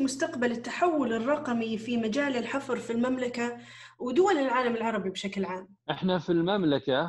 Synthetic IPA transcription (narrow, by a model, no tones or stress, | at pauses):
mʊst̪aqbalɪt̪ːaħawːʊlɪrˤːɑqmifimad͡ʒaːlɪlħɑfɾˤfilmamlaka | wɪd̪ʊwalɪlʕaːlamɪlʕɑɾˤɑbibʃaklʕaːm | ʔɪħnafilmamlaka